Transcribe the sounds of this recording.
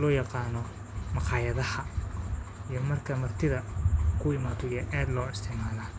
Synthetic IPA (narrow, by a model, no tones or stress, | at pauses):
lɔːjɑqɑːnɔ | mɑqɑːjɐðɐhɐ | ijɞmɐrkʰɐmɐrt̪ʰɪðɐkʰʊɪmaːðɔjɐʔaːd̪lɔːɪst̪ʰɪʕmaːlaː